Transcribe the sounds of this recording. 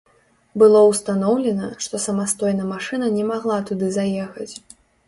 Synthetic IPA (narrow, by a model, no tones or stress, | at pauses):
bɨlˠɔwst̪anɔwlʲɛnɐʂt̪ɔsɐmast̪ɔjnɐmaʂɨnɐnʲɛmaɣlˠat̪ud̪ɨzajɛxɐt͡sʲ